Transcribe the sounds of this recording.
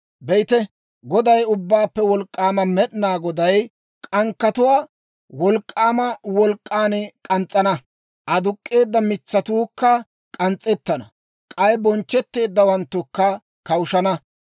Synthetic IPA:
bɛjɪt̪ɛ | ɡɔd̪ɐjʊbːaːpːɛwɔlkʼːaːmɐmɛɗɪnaːɡɔd̪ɐj | kʼɐŋkːɐt̪ʊwaː | wɔlkʼːaːmɐwɔlkʼːaːnɛkʼɐnt͡sʼːɐnɐ | ʔɐd̪ʊkʼːe̞ːd̪ːɐmɪt͡sːɐt̪uːkːɐ | kʼɐnt͡sʼːɛt̪ːɐnɐ | kʼɐjɛbɔnt͡ʃːɛt̪ːe̞ːd̪ːɐwɐnt̪ːʊkːɐ | kɐwʊʃɐnɐ

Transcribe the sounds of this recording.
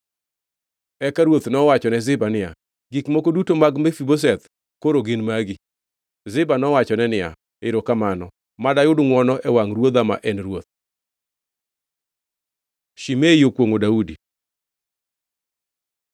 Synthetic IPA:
ɛkaɾwot̪nɔwat͡ʃɔnɛzɪbanɪa̰ | ɡikmokodutomaɡmɛfibos̬ɛt̪ | koɾoɡɪnmaɡɪ | zɪbanɔwat͡ʃɔnɛnɪja̰ | ɪɾokamanɔ | madajʊdŋwɔnɔʔɛwaŋɾwod̪ama̰ʔɛnrwot̪̚ | ʃimejokwoŋodaudi

